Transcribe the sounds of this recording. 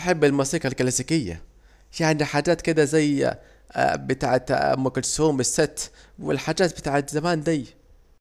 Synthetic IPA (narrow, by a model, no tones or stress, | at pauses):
ħebːɪlmɑsiːkalklasikɪjːa̰ | jaʕniħaːd͡ʒaːt̪kɪd̪æzæj̰ | bɪt̪aːʕat̪mʊkʊlsuːmɪsːɪt̪ːwɪ̰lħaːd͡ʒaːt̪̚bɪt̪aːʕat̪zamaːnd̪æj